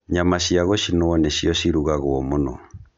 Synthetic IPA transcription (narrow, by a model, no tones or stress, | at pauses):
ɲamaɕiaɣoɕinoɔneɕiɔɕiɾuɣaɣoɔmonɔ̰